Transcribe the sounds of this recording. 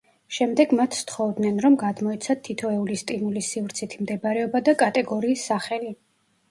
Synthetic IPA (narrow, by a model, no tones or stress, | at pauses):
ʃɛmd̪ɛɡmat̪ʰːt̪χɔvd̪nɛnɾɔmɡad̪mɔɛt̪sʰat̪ʰːit̪ʰɔɛulist̪ʼimulisivɾt̪sʰit̪ʰimd̪ɛbaɾɛɔbad̪akʼat̪ʼɛɡɔɾiːsːaχɛli